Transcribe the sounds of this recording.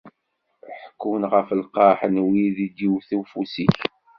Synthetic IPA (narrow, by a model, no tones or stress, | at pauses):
ħəkːunʁəfəlqɑħənwiðid̪iwθufusiç